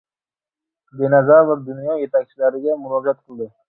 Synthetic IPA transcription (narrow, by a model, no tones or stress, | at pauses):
b̪enazavad̪unjɑjet̪ʰak̚ʲt͡ʃʰilaɾɪɡʲamʊɾɑd͡ʒat̪̚qʰɨlˠd̪ɪ